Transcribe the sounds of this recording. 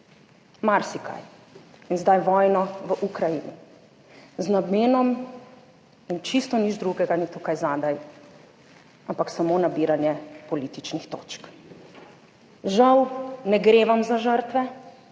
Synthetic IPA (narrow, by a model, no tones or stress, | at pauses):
maɾsikʰa̰j | inzd̪ajʋɔjnɔʋəʔukɾajinḭ | znabmeːnɔm | int͡ʃist̪ɔnid͡ʒd̪ɾuɡɛɡanit̪ukajzaːd̪aj | ampaksamonabiːɾanjɛpɔlit̪it͡ʃnixt̪o̰ːt͡ʃk | ʒawnɛɡɾeʋamzaʒəɾt̪ʋɛ